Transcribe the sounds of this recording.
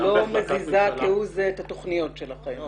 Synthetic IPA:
lo̞mezizakeuzeethato̞χnijo̞tʃe̞laχe̞m

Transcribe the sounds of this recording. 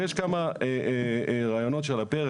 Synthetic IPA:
eʃkamae | ʁaːjono̞t̪ʃelape

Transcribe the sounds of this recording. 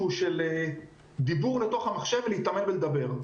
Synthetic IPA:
uʃele | d̪ibuʁle̞t̪o̞χhamaχʃe̞vleit̪amenbeld̪abe̞ʁ

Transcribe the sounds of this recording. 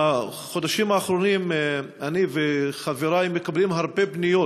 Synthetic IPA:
a | χod̪aʃimaːχɾonim | aniveχaveɾaimːekablimɦaʁbebnijo

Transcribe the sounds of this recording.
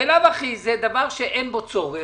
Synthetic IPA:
elavaχized̪avaʁʃeʔenbot͡soʁe

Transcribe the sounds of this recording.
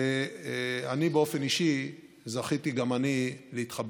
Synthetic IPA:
anibeo̞fe̞niʃi | zaχitiɡamanileit̪χab

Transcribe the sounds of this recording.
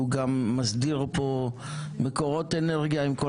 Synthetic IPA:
uɡamːazdiʁpo̞ | meko̞ʁo̞teneʁɡjaimko

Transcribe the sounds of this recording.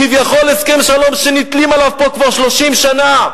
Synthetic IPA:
kivjaχo̞leske̞mʃalo̞mʃenit̪limalavpo̞kvaʁʃlo̞ʃimʃana

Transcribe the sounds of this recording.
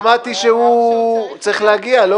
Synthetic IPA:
mat̪iʃehut͡sʁiχleaɡialo

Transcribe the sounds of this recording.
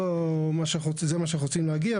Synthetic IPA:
omaʃeχozemaʃ̬eχot͡simleaɡia

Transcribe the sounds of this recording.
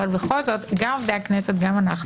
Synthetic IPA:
valbeχolzot̪ɡamafd̪eaknɛset̪ɡamanaχ

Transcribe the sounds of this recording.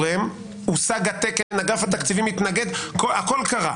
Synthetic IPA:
ʁem | usaɡat̪ekelenaɡafat̪akt͡sivimit̪naɡe̞d̪koako̞lkaʁa̰

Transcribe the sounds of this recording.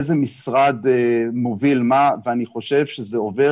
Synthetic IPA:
zemisʁad̪emovilmaveaniχo̞ʃevʃezeove

